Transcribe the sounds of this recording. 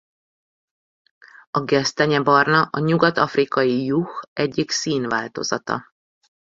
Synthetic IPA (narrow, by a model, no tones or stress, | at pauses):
ɒɡɛst̪ɛɲɛbɒrnɒʔɒɲuɡɒt̪ɒfrikɒjijuxɛɟːiksiːnvaːlt̪o̞̰zɒ̰t̪ɒ̰